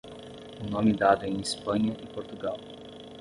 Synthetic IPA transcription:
unõmid̪ad̪ʊɛẽj̃ispɐ̃ɲɐʔipoɾt̪uɡaw

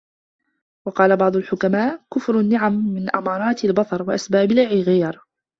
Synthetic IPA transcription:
wɑqɑːlabɑʕd̪ˤʊlħʊkamaːʔkʊfɾʊnːɪʕamːɪnʔamɑːɾˤɑːt̪albɑt̪ˤɑɾˤwaʔasbaːbɪlʕɪɣiːɾ

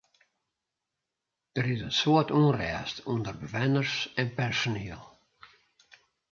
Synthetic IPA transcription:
d̥əɾɪzənsuətuːnrɛːstʰundərbəvɛnərsɛnpɛrsoniːəlˠ

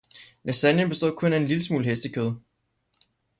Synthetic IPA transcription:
nesænjənb̥e̝sd̥o̝ð̰ˠkʰɔ̽næe̝nliləsmṵːlɦesd̥əkʰøːð̞ˠ

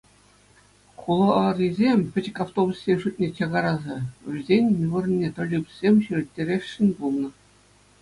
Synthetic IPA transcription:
kulˠɤ̆rʲizʲemʲpʲɘ̆t͡ɕɘ̆kʲaft̪obusːʲenʲʂutʲnʲet͡ɕɑɡɑɾɑzɑɘ̆zʲenʲnʲuʋɤ̆rnʲːet̪ɤ̆lʲibʲɘsʲsʲemʲɕyrʲɘ̆tʲːeɾʲeʂːɘ̆nʲbulˠnɤ̆

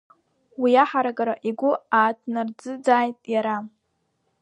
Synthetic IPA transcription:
wiaħaɾaɡaɾaʔiɡʷʊaːtʰnard͡zɨd͡zaːjtʼjaɾa

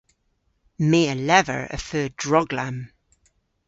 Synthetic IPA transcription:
meːəlɛvə̰ɹə̰fɜːdɹɔɡlãm

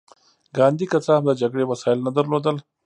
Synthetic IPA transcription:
ɡɑːnd̪ikɐt͡saɦɐmd̪əd͡ʒɐɡɽewɐsɑːɪlnɐd̪ɐɾloːd̪əl

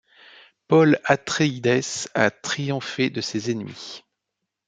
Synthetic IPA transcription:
pɔlat̪χeid̪ɛsa̰t̪χijɔ̃fed̪əsezenmḭ

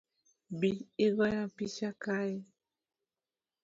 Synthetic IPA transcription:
biiɣɔjapiʃakai

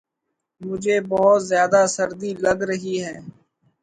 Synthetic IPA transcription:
mʊd͡ʒʱeːbəɦʊt̪zjaːd̪aːsəɾd̪iːləɡɾəɦiːɦɛː

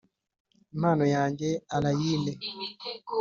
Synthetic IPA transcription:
manɔjaŋɡɛalajinɛ

